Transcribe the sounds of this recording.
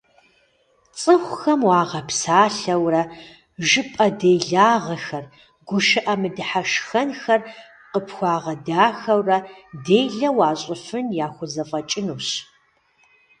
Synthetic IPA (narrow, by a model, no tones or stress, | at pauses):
t͡sʼɨxʷʊxɐmwɑːʁɐpsaːɬɐwrɐ | ʒɨpʼɐdejɮaːʁɐxɐr | ɡʷʊʃɨʔɐmɨdɨħaʃxɐnxɐr | qəpxʷɑːʁɐdaːxɐwrɐdeːjɮɐwɑːɕʼɪfɨnjaːxʷʊzɐfʼɐt͡ʃʼɪnuːɕ